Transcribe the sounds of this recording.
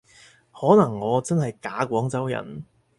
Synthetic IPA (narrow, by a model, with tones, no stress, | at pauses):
hɔː˨˥nɐ˨˩ŋːɔː˨˧t͡sɐ˥nhɐ˨jkaː˨˥kʷɔː˨˥ŋt͡sɐ˨˥wjɐ̰˨˩n